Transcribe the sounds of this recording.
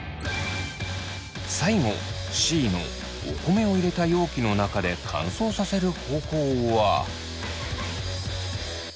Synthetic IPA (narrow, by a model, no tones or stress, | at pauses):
saiŋo̞̰ | ɕiːno̞̰ː | ko̞me̞o̞iɾe̞t̪ajo̞ːkʲino̞nakad̪e̞kʰã̰ɰ̃so̞ːsase̞ɾɯ̟ho̞ːko̞ːβa̰